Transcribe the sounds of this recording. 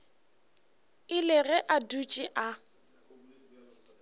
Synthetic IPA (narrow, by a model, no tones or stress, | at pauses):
ɪlɪɣɛʔadut͡ʃʼɪʔa